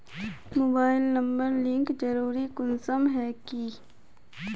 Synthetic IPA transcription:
moːbaːɪlnɐ̃mbəɾlɪ̃ŋkd͡ʒɐɾuːɾikʊnsəmɦɛːki

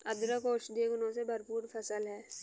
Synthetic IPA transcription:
ɐd̪ɾəkoːʃd̪ekʊnõsebʱɐɾpuːɾpʰɐsəlɦɛː

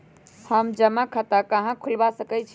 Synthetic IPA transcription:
həmd͡ʒəmakʰət̪akəɦãkʰulbasəkɛt͡ʃʰ

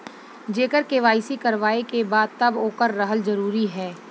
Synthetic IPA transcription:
d͡ʒeːkəɾkeːʋaːɪsikɐɾʋaːekebaːd̪̚t̪ɐboːkəɾːəɦəlzɐɾuːɾiɦɛː

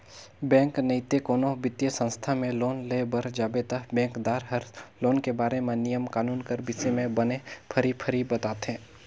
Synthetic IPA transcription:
bɛ̃ːŋknəɪt̪ekoːnobɪt̪jəsə̃nst̪ʰamẽloːnlebəɾd͡ʒaːbet̪əɦbɛ̃ːŋkd̪aːɾɦəɾloːnkebaːɾemẽnijəmkaːnuːnkəɾbɪsemẽbənepʰəɾipʰəɾibɐt̪aːt̪ɦẽː

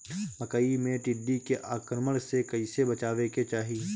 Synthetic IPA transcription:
mɐkəimẽʈɪɖːikeʔaːkɾməɽ̃sekɐɪsebɐt͡ʃaːʋeket͡ʃaːɦiː

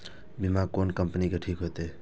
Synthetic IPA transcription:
bimakonkəmpənikeʈʰikɦot̪e

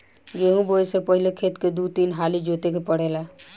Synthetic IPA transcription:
ɡeɦũboesepəɦilekʰet̪ked̪ut̪inɦalid͡ʒot̪ekepəɽ̤ɛla

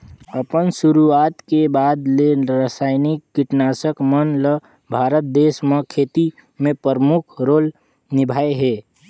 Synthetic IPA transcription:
əpənsʊɾuaːt̪kebaːd̪leɾasaːɪnikːɪʈnaːsəkmənlə | bʱaːɾət̪̚d̪eːsməkʰeːt̪i | mẽpəɾəmʊkʰɾoːl | nɪbʱaːeɦɛː

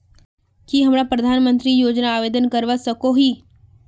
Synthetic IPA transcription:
kiɦəmɾapɾəd̪ʱaːnmə̃nt̪ɾijoːd͡ʒnaːʋeːd̪ənkəɾʋasəkoɦiː

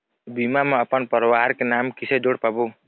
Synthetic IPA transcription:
bimamãɔpənpəɾwaɾkenamkisʰɛd͡ʒoɽpabo

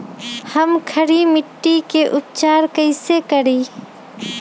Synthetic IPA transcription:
həmkʰəɽimɪʈːikeʔʊp̚t͡ʃaːɾkəɪsekəɽiː

